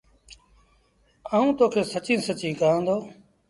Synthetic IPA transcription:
aːũːt̪oːkʰeːsət͡ʃĩːsət͡ʃĩːkaːə̃ːnd̪oː

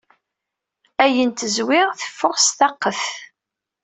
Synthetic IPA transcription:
æjənt̪əzwɪʁθə̥fːʊʁsθɑqːəθ

